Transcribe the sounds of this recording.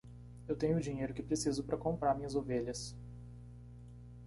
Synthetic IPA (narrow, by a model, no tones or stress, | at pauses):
ewt̪ẽɲʊːd͡ʒĩɲejɾʊkɪpɾesizʊpɾɐkõmpɾaɾmĩɲɐzoveʎɐs